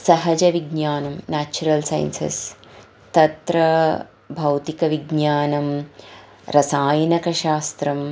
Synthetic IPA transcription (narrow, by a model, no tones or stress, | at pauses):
sɐɦɐd͡ʒɐʋiɡnaːnɐmnaːt͡ʃuɾɐlsɐ̰j̰nsɐ̰s | t̪ɐt̪ɾɐ | bʱɐwt̪ikɐʋiɡɲaːnɐm | ɾɐsaːjɐnɐkɐʃaːst̪ɾɐm